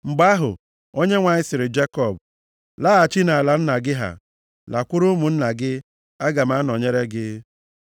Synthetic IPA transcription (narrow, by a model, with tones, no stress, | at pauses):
ŋ͡m̩˨ɡ͡ba˦ɦʊ̰˨ | o˦ɲe˦ŋʷa˨ɲɪ˦sɪ˨ɾɪ˨d͡ʒe˦kɔ˨b | la˦a˨t͡ʃi˦na˨a˨la˨n̩˦na˨ɡɪ˦ɦa̰˨ | la˨kʷʊ˦ɾʊ˦mu˨n̩˦na˨ɡɪ˦ | a˦ɡa˨m˦a˦nɔ˨ɲe˦ɾe˦ɡɪ˦